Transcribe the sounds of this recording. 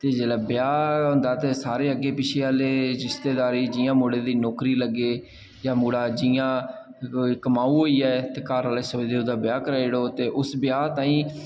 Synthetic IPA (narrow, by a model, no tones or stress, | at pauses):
t̪eːd͡ʒeːlɛːbɪjaːɦõːnd̪aːt̪eːsaːɾeːəɡːeːpɪt͡ʃʰeːaːleːɾɪst̪eːd̪aːɾiːd͡ʒɪːjãːmoːɽeːd̪iːnɔːkɾiːləɡːeː | jãːmuːɽaːd͡ʒɪjãː | ikəmaːuːɦoːiːɛːt̪eːkaːɾaːleːsəd̪eːʊd̪aːbjaːkəɾaːɽoːt̪eːʔʊsbjaːt̪aːĩː